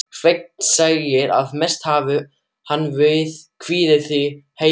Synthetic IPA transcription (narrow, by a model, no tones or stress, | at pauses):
r̥ejk̚nnsaːɣjɪɾa̰ðmɛst̪haːvʏ | hanːvœːɥðkʰv̥iːðɪθihe